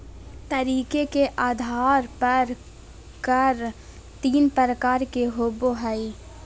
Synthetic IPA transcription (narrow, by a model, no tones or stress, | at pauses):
t̪ɐɾiːkekeʔaːd̪ʱaːɾpɐɾ | kəɾ | t̪iːnpɾəɾəkaːɾkeɦoːboɦai